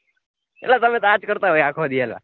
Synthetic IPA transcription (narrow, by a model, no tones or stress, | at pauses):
ḛlat̪əmẽt̪ad͡ʒkəɾt̪aɦojakʰod̪iela̰